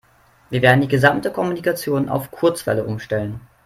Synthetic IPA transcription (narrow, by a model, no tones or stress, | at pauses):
viːɐveːɐdn̩diːɡəzamtəkʰɔmunikat͡sjoːnʔa̰ʊfkʰʊɐt͡sv̥ɛ̰ləʔʊmʃtɛlən